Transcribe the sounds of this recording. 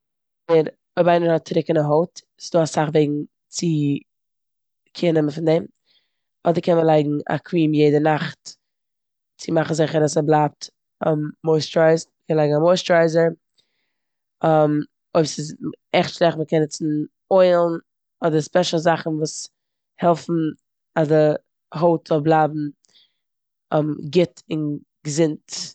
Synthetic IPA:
ɪɾ | oɪbaɪnəhɔt̚t͡sɾɪkɪnaɦoʊt | sɪ̥zdoːasaχveɪɡŋ̩ | t͡sɪ | kʰɪnɛməfɪndɛm | ɔdəɾkʰɛnməlˠaɪɡŋ̩a̰kʰwiːmjeɪdənaχt | t͡sɪmaχn̩zɪχəɾasɛblˠap̚t | aːoɪstɾaɪzməkʰɛnlaɪɡŋ̩amɔɪstɾaɪzəɾ | am | oɪbsɪzɛχtʃlɛχtməkɛnɛt͡sn̩ | ɔɪlˠn | ɔdəspɛʃl̩ˠzaχn̩vuːs | hɛlˠfn̩ | azdə | hoʊtzɔlˠblˠabm̩ | ɛmɡɪtɪn | ɡəzɪnt

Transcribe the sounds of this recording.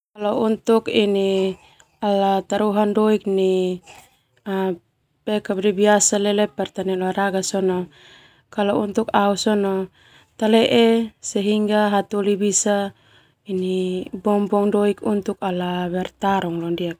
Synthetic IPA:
kalaunt̪ukini | alat̪aɾuɦandɔik̚ni | a | pɛkapdɛbiasalɛlɛpɛrt̪anɛlɔaɾaɡasɔnɔ | kalɔunt̪ukausɔnɔ | t̪alɛʔɛsɛɦiŋɡaɦat̪ulibisa | inibɔmbɔŋdɔikunt̪uk̚alaβɛrt̪aɾɔŋlɔndiak̚

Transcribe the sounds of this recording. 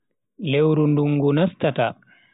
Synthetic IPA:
lewɾunduŋːɡunastata

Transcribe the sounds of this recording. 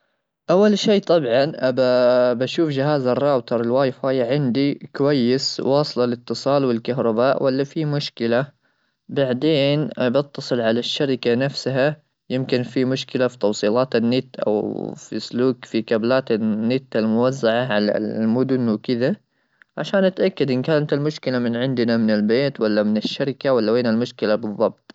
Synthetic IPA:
ʔawːalʃeːʔt̪ˤɑbʕɑnʔababaʃuːfd͡ʒɪɦaːzarˤːɑːbt̪ɑɾˤɪlwaːjfaːjaʕɪnd̪ikʊwajːɪswɑːsˤlɑlɪt̪ːɨsˤɑːlwɪlkaɦɾˤɑbaːʔwʔalːafimʊʃkɪla | baʕd̪eːnbɪt̪ːɑsˤɨlʕalaʃːaɾɪkanafsɦa | jɪmkɪnfimʊʃkɪlafi̥t̪ɑwsˤiːlɑːt̪ɪnːɪt̪ːʔa̰wfḭsluːkfikablaːt̪anːɪt̪ːalmʊwazːaʕaʕala̰mʊd̪ʊnwɪkɪd̪a | ʕaʃaːnʔat̪ʔakːad̪ʔɪnkaːnat̪almʊʃkɪlamɪnʕɪnd̪namɪnɪlbeːt̪walːamɪnɪʃːaɾɪkawalːaweːnalmʊʃkɪlabɨðˤːɑb̚t̪ˤ

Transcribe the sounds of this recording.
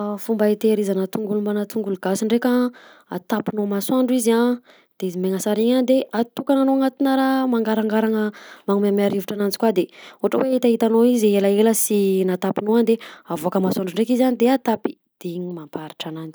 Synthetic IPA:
fumbaet̪eɾizanat̪uŋɡulumbanat̪uŋɡuluɡasiɳɖ͡ʐekʲa | at̪apinomaswaɳɖ͡ʐuiza | d̪̥eizimeŋəsaɾiɲand̪eat̪ukananoaŋat̪inaɾamaŋɡaɾaŋɡaɾaŋəmaŋumamiaɾiviʈ͡ʂanand͡zi̥kwad̪eoɦaʈ͡ʂəweait̪aɦit̪anoizeləeləsinat̪apinoand̪eavoakəmaswaɳɖ͡ʐuiɳɖ͡ʐekizanid̪eat̪api̥ | d̪̥iɲimampaɾiʈ͡ʂanand͡zi̥

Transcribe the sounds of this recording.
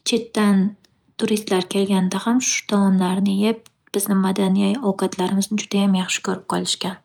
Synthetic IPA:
t͡ʃʰe̞t̪ːan | t̪ʰʊɾist̪laɾkʲʰe̞lɡʲand̪ahamʃʊ̥t̪ʰɒmɒmlaɾnɪjep̚ | b̥ɪznɪmad̪anijajɒwqʰɑt̪ʰlaɾɪmɪznɪd͡ʒʊd̪̥ajamjɑχʃɪ̥kʰʲɵɾɪp̚qʰɒlˠɪʃkʲan

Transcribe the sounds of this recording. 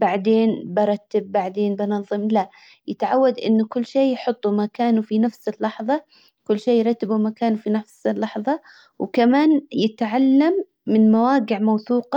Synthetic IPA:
baʕd̪eːnbɑɾˤɑt̪ːɪb̚ːaʕd̪eːnbɑnɑðˤːɨmla | jɪt̪ʕawːad̪ʔɪ̰nːʊkʊlːʃeːjħʊt̪ˤːumakaːnufinafsɪlːɑħðˤɑ | kʊlːʃeːjɾˤɑt̪ːɪbumakaːnufinafsɪlːɑħðˤɑ | wkamaːnjɪt̪ʕalːamː | ɪnmawaːɡɪʕmawθuːqɑ

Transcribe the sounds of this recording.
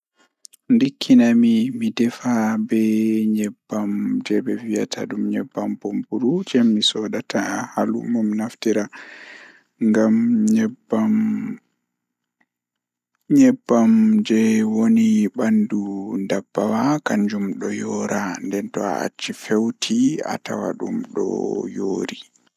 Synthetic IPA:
ndikʰːinamimidɛfabɛɲɛbːamd͡ʒɛbɛvija̰tʰa̰ɗumɲɛbːampompuɾud͡ʒɛmːisɔɗatʰahalṵmɔminaftiɾa | ŋɡamɲɛam | ɲɛbːamd͡ʒɛwoniɓandundabːawakaɲd͡ʒumɗɔjɔːɾandɛntɔa̰a̰t͡ʃːifewtʰia̰ta̰wa̰ɗumɗɔ̰joːɾi

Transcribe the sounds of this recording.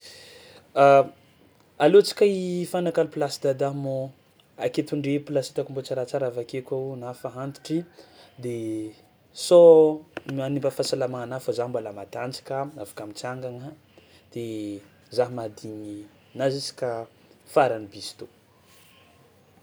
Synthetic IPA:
a | alot͡si̥kʲaifanakalpilasid̪ad̪amo | aket̪uɳɖ͡ʐepilasit̪akumbot͡saɾat͡saɾavakekʲaunafaɦant̪i̥ʈ͡ʂid̪e | sɔmanimbafasalamaanafazaɦmbwalamad̪and͡zḁkaavḁkamit͡siaŋɡaŋə | d̪̥e | zaɦmad̪iɲi | nazisi̥kʲa | faɾanibisi̥t̪o

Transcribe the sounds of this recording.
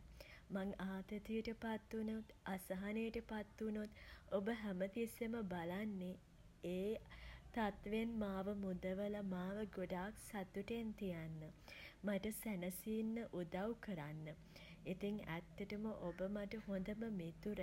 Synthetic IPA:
maŋaːt̪ət̪ijəʈəpat̪ːunot̪asɐɦanəjəʈəpat̪ːunot̪obəɦæmət̪iseməbalanːe | eːt̪at̪ʋenmaːʋəmud̪əʋəlɐmaːʋəɡoɖaːksat̪uʈent̪ijanːəmaʈəsænəsiːnːəʔud̪awkəɾanːə | it̪iŋæ̰t̪ːəʈəməʔobəmaʈəɦond̪əməmet̪uɾə

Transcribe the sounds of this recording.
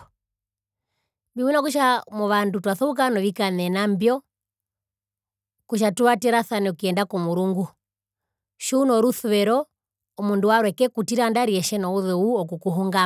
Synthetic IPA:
mbiminak̬uʃ̬amɔʋandutwaθɔuk̬anɔʋikanɛnambjɔ | kuʃ̬atuwatɛɾaθanɛukiɛndakɔmuɾuŋɡu | ʃuːnɔɾuθuwɛɾɔ | ɔmunduaɾwɛkɛkutiɾandaɾiɛʃɛnɔuðɛuɔk̬ukuɦuŋɡa

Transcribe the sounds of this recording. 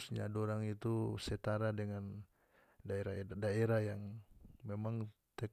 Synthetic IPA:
sɲa̰doɾaŋit̪uset̪aɾadəŋan | daeɾaadaeɾahjaŋmemaŋ | t̪ek

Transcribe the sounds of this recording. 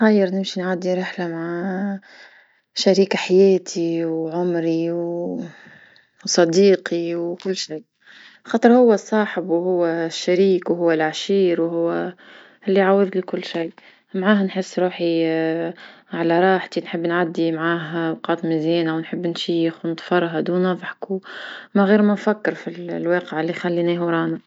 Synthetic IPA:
xajːəɾˤnɪmʃinʕad̪ːiɾɪħlamaʕa | ʃaɾiːkaħajæːt̪ʰiwʕʊmɾiw | sˤɑd̪iːqʰiwkʊlːʃij | xɑːt̪ˤəɾˤhʊwːæsˤɑːħɪbwhʊwːæʃːæɾiːkwhʊwːælʕaʃiːɾwɦʊwːæ | ɪlːiʕawɪðlikʊlːʃaj | maʕaːɦnħɪsːɾuːħi | ʕalaɾˤɑːħt̪inħɪbːnʕad̪ːimʕaːɦbqɑːt̪ˤmɪzjɛːnawnħɪbːnʃiːxnt̪ˤfɑɾˤɦad̪uːnɑvˤħkumaɣiːɾmænfakːɪɾfillwɑːqəʕɪlːixalːinɛːhɾˤɑːna

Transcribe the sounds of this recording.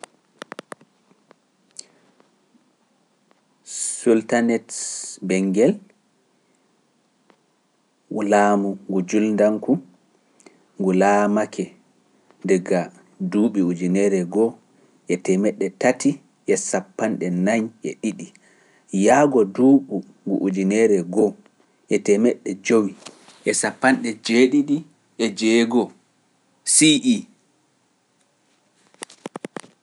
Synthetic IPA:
sultanɛtbɛŋɡɛl | ulaːmuŋɡud͡ʒulndaŋku | ŋɡulaːmakʰɛ | dɛɡa | duːɓiud͡ʒinɛɾɛɡɔ | ʔɛtɛmɛɗːɛtati | ʔɛsapːanɗɛnaɲʔɛ̰ɗiɗi | jaːɡɔduːɓu | ŋɡṵʔud͡ʒinɛɾɛɡɔ | ʔɛtɛmɛɗːɛd͡ʒowi | ʔɛsapːanɗɛd͡ʒeɗiɗi | ʔɛd͡ʒɛɡɔ | siʔi

